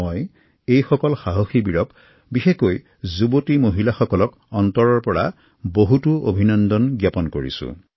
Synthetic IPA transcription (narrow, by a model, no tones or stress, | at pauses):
oj | ejxɔkɔlxaɦoxibiɹɔp | bixekoj | zubotimoɦilaxɔkɔlɔk | ɔntɔɹɔɹpɔɹa̰ | boɦutuobʱinɔndɔnɡjapɔnkoɹḭsṵ̃